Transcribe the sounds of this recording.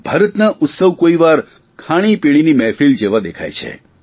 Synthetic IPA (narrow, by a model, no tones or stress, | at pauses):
b̥ʱaːɾət̪naʔʊt̪səʋkoiʋaɾ | kʰaɽ̃ipiɽ̃inimɛfild͡ʒeʋad̪ekʰa̰jt͡ʃʰḛ